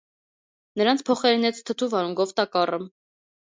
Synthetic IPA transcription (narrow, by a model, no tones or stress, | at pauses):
nəɾɑnt͡sʰpʰɔχɛɾinɛt͡sʰt̪ʰət̪ʰuvɑɾuŋɡɔvt̪ɑkɑrəm